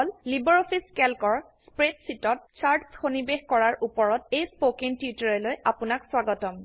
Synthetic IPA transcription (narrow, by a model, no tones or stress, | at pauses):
ɔllibɔɹopʰiskɛlkɔɹ | spɹedsitɔt̚t͡ʃaɹtsxonibexkɔɹaɹʔupɔɹɔtejspokiŋtiutɔɹɛlojapʊnakswaɡɔtɔm